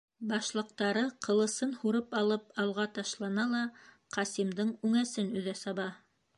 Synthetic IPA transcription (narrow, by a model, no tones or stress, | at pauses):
bɑʃlˠɤ̆q̚t̪ɑɾɤqɤ̆lˠɤ̆sɤnhuɾɤpɑlˠɤpɑlˠʁɑt̪ɑʃlˠɑnɑlˠɑ | qʰɑsimd̪ɤɴʉŋæsɘnʉ̆ðæsɑβɑ